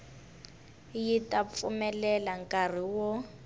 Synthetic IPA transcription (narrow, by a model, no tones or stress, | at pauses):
jitʼap̪fumɛlɛlaŋkʼar̤iwɔ